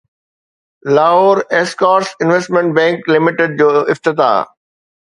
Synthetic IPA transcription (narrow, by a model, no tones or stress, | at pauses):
laːɦoːɾeskaːɾsɪ̃nʋesʈmẽɳʈ̚bɛ̃ːŋklɪmɪʈɪɖ̚d͡ʑoːʔɪft̪ɪt̪a̰ː